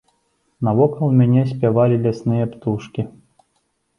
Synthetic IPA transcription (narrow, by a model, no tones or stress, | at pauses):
nɐvɔkɐlˠmʲanʲɛs̬ʲpʲavalʲilʲasnɨjɛpt̪uʂkʲi